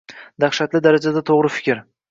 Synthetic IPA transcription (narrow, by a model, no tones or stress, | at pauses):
d̪aχʃat̪lɪd̪aɾad͡ʒad̪at̪ʰoʁɾɪfɪ̥kʲʰɪɾ